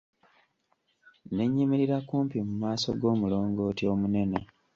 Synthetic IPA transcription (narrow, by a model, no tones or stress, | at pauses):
ne̞ɲːimiɾiɾakuːmpimumaːso̞̰ɡo̞ːmulo̞ːŋɡo̞ːtjo̞ːmune̞ne